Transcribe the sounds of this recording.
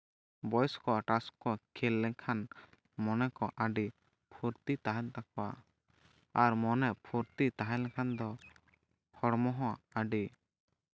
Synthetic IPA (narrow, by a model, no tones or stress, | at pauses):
bɔjskɔʈaskːɔkʰɛlːɛ̃kʰan | mɔnɛkɔʔaɖi | pʰuɾt̪it̪aɦɛnt̪ak̚ɔwa̰ | aɾmɔnɛʔpʰuɾt̪it̪aɦɛlɛ̃kʰand̪ɔ | hʰɔɽmɔɦɔ̃aɖi